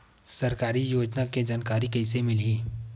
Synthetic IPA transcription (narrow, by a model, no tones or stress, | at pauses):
sɐɾkaːɾijoːd͡ʒnaked͡ʒaːnkaːɾikɛɪsemɪliː